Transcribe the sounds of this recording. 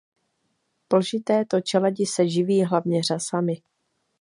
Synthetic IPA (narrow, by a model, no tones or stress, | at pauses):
pl̩ʒɪt̪ɛːt̪o̞t͡ʃɛlɛɟɪsɛʒɪviːɦlavɲɛr̝asamɪ